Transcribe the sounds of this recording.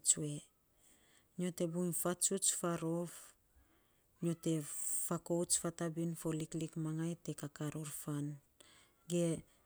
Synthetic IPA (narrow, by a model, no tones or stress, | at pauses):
t͡ʃue̞ | ɲo̞te̞bunfat͡ʃut͡ʃfaɾo̞f | ɲo̞te̞fako̞wt͡ʃfatabinfo̞liklikmaŋajte̞kakaɾoɾfan | ɡe̞